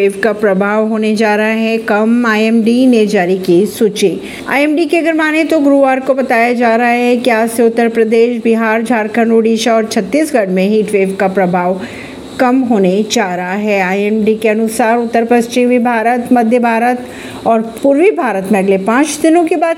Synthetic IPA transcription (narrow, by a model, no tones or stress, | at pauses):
eːʋkapɾɐbʱaːʋɦoːned͡ʒaːɾɐɦaɦɛ̃kɐmaːjɛmɖined͡ʒaːɾikisuːt͡ʃeː | a̰ːɛːmɖikeɐɡəɾmaːnet̪oɡɾuʋaːɾkobɐt̪aːjad͡ʒaːɾɐɦaɦɛkiaːd͡ʒseʊt̪ːəɾpɾəd̪eːʃbiɦaːɾd͡ʒʱaːɾkʰənoːɖiːʃaɔːɾt͡ʃʰɐt̪ːiːsɡɐɽmẽɦiːʈʋeːʋkapɾɐbʱaːʋ | kɐmɦoːned͡ʒaːɾɐɦaɦɛːaːɛmɖikeɐnʊsaːɾʊt̪ːəɾpɐst͡ʃɪmibʱaːɾət̪mɐd̪ʱjəbʱaːɾət̪ | ɔːɾpuɾʋibʱaːɾət̪mẽɐɡlepãːt͡ʃd̪ɪnõkibaːd̪